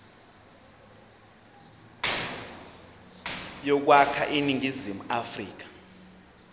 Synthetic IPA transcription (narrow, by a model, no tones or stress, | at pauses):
jɔk̬wakʰaʔiniŋizimuafrḭːk̬ḁ